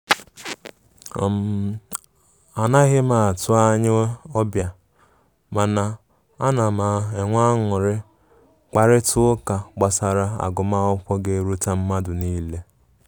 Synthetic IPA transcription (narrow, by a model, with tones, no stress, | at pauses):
m̩˨˦ | a˨na˦ɣɪ˦ma˨a˨tʊ˦a˦ɲɪ˦ɔ˦bja˨ | ma˨na˨ | a˦na˨ma˨e˨ŋʷa˦ŋʊ˨ɾɪ˦ | k͡pa˨ɾɪ˦tʊ˦ka˨k͡pa˨sa˨ɾa˦a̰˨ɡʊ˨ma˦ʊ˦kʷɔ˦ɡe˦ɾu˦ta˦m̩˦ma˦dʊ˨niː˦le˦